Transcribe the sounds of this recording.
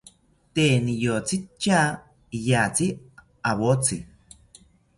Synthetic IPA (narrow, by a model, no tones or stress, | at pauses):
t̪enijot͡sit͡ʃːa | ijat͡si | aβot͡si